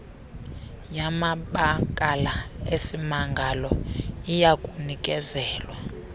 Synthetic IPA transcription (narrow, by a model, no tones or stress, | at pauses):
jamaɓakʼalaesimaŋɡʱalɔijakʼunikʼɛzɛːlwa